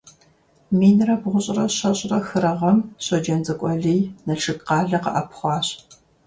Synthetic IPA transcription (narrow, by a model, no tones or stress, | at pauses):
miːnɨrɐbʁʷʊɕʼrɐɕɐɕʼrɐxɨɾɐʁɐmɕɐd͡ʒɐnzʼɐkʷʼɔɮijnɐɬʰɨɡqɑːɮɐqɐ̰ʔɐpʰχʷɑːɕʼ